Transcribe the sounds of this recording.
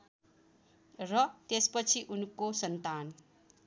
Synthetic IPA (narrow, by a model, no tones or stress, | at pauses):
rʌt̪espʌt͡sʰiʔunkosʌnt̪an